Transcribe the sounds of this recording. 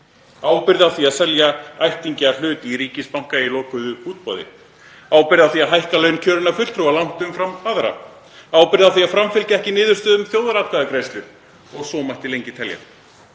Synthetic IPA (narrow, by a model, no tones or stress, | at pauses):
aːwpɪɾðawθiaðsɛljaajht̪iɲcal̥ʏːt̪iɾiːcɪspawŋ̥kailɔːkʏðʏuːt̪̚pɔ̰ðɪ̰ | aːwpɪɾðawθiaɦajhkalœːɥncʰœːɾɪnafʏlt̪ɾualawn̥t̪ʏmfɾamaðɾa̰ | aːwpɪɾðawθiafɾamfɪlcɛhcɪnɪːðʏ̥st̪œːðʏmθjowðaɾat̪kʰaːðɪkɾejst̪ʏ | ɔɣsɔːmajht̪ɪlejɲcɪt̪ʰɛlja̰